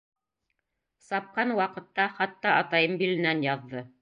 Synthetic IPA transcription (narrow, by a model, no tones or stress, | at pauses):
sɑp̚qɑnwɑqɤ̆t̪ːɑχɑt̪ːɑɑt̪ɑjɤmbilɘ̆nænjɑðːɤ